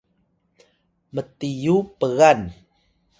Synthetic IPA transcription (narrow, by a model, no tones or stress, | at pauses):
mətijupəɣan